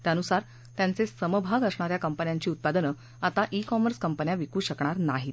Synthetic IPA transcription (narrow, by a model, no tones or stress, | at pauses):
t̪janusaɾ | t̪jant͡sesəməbʱaɡəsɳaɾjakəmpənjaɲt͡ɕiːut̪̚pad̪ənə | at̪aʔikɔməɾskəmpənjaʋikuːɕəkɳ̃aɾnaɦit̪